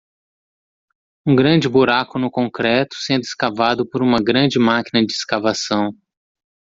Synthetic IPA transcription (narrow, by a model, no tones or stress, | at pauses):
ũɡɾɐ̃d͡ʒɪbuɾakʊnʊkõkɾɛt̪ʊ̥sẽnd̪ʊɪskavad̪ʊpoɾũmɐɡɾɐ̃d͡ʒɪmakinɐd͡ʒɪːskavasɐ̃w̃